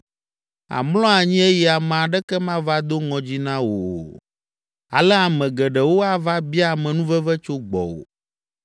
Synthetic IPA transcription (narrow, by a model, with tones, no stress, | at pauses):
a̰˨mlɔ̃˦a˨ɲĩ˦e˦ji˨a˨m̃˨a˨ɖɛ˦kɛ˦mã˦va˦d̪o˦ŋɔ̃˨d͡ʑi˦nã˦wo˨ | a̰˨lɛ˦a˨mɛ̃˨ɡɛ˨ɖɛ˨wo˦a˦va˦bi˦a˨mɛ̃˨nũ˦vɛ˦vɛ˦t͡ʃo˦ɡ͡bɔ̰˨wo̰˨